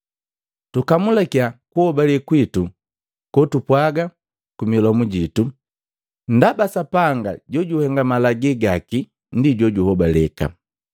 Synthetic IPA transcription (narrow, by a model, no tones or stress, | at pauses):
tukamulakiakuhɔbalɛkwitu | kɔtupwaɡa | kumilɔmuɟitu | n̩dabasapaŋɡa̰ɟɔɟuhɛŋɡamalaɡɛɡaki | ndiɟɔɟuhɔbalɛka̰